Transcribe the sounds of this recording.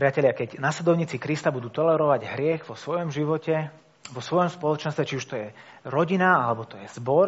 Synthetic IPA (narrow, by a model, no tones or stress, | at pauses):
pɾɪacɛlɪakɛɟnasɛd̪ɔʊɲiːt͡sikɾist̪abud̪uːt̪ɔlɛɾɔʋaɟɦɾɪɛɣʋɔsʋɔjɔmʒiʋɔcɛ | ʋɔsʋɔjɔmspɔlɔt͡ʃɛnst̪ʋɛt͡ʃiuʃt̪ɔjɛ | ɾɔɟinaalɛbɔt̪ɔjɛz̥bɔɾ